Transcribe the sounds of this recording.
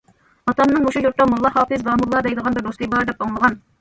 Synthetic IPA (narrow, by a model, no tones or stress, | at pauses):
ɑt̪ɑmnɨŋoʃujuɾt̪ɑmulˠːɑhɑːfɨzd̪ɑːmulˠːɑd̪ɛjd̪əʁɑnbɪɾb̪oʃlˠibɑɾd̪ɛpoŋlˠəʁɑn